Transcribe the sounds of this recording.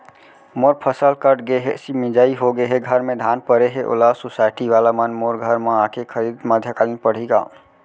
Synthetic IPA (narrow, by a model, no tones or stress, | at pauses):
moɾpʰəsəlkəʈɡeɦesimĩd͡ʒaiɦoɡeɦeɡʱəɾmẽd̪ʱanpəɾeɦeʔo̰lasosaɪʈiʋalamənmoɾɡʱəɾmeãkekʰəɾid̪məd̪ʱjəkalinpəɽ̤iɡa̰